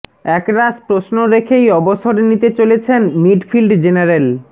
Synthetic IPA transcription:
ɛkɾad͡ʑpɾosnoɾekʰejɔboʃoɾenit̪et͡ɕolet͡ɕʰenmiɖfʰilɖd͡ʑenaɾel

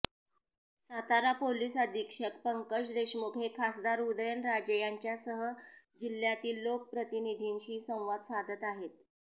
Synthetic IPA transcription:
sat̪aɾapoliːsəd̪ʱikʂəkpəŋkəɕd̪eɕmukʰekʰasd̪aɾud̪əjənɾad͡ʑəjaɲt͡ɕjasəɦə | d͡ʑiljat̪iːlːok̚pɾət̪inid̪ʱinɕiːsə̃w̃ʋad̪sad̪ʱət̪aɦet̪

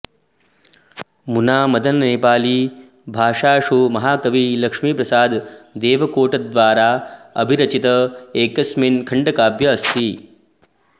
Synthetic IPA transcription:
munaːmɐd̪ʱɐnnipaːliː | bʱaːʂaːʂumɐɦaːkɐʋiːlɐkʂmiːpɾɐsaːd̪d̪eːʋɐkoːʈɐd̪ʋaːɾaːɐ̰bʱiɾɐt͡ʃit̪ɐeːkɐsminkʰɐɳɖɐkaːbjɐːst̪i

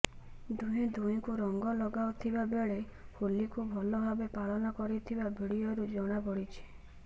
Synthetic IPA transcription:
d̪uj̃d̪uj̃kuɾɔŋɡɔlɔɡaut̪ʰibabeɭehulikubʱɔlɔbʱabepaɭɔnɔkɔɾit̪ʰibabʱiɽijɔɾud͡ʒɔɽ̃abɔɽit͡ʃʰi̥

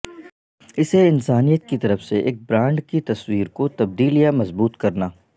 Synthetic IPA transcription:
ɪseɪnsaːnijət̪kit̪ɐɾəfseʔḛːk̚bɾãːɳɖkit̪ɐswiːɾkot̪ɐb̚d̪iːlijamɐzbuːt̪kɐɾnaː

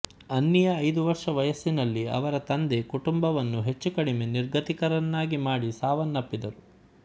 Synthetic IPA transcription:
ɐnːijɐːjd̪uʋɐɾʂɐʋɐjɐsːinɐlːiɐ̰ʋɐɾɐt̪ɐnd̪e̞kuʈumbɐʋɐnːuɦe̞t͡ʃːukɐɽime̞niɾɡʱɐt̪ikɐɾɐnːaːɡimaːɽisaːʋɐnːɐpːid̪ɐɾu

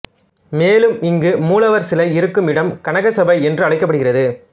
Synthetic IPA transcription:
meːlɯmɪŋɡɯmuːlɐʋɐɾsɪlɐɪɪɾɯkːɯmɪɽɐmkɐɳɐɣɐsɐbɐɪɛndrɯɐɭɐɪkːɐpːɐɽɯɣɪrɐðɯ

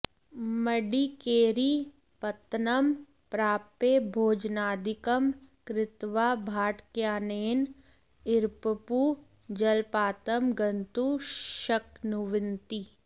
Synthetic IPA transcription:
mɐɖikeːɾi | pɐt̪nəm | pɾaːpebʱoːd͡ʒnaːd̪ɪkəmkɾɪt̪ʋaːbʱaːʈkjaːneːn | ɪɾpəpuː | d͡ʒɐlpaːt̪əmɡɐnt̪uʃɐknʊʋɪnt̪i

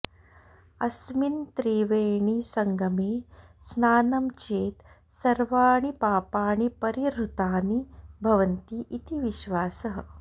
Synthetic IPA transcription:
ɐsmint̪ɾiːʋeːɳisɐŋɡʱɐmeːsnaːnɐmt͡ʃeːt̪ | sɐɾʋaːɽ̃ipaːpaːɽ̃ipɐɾiɾut̪aːnibʱɐʋɐnt̪iːʔit̪iʋiʃʋaːsəɦə

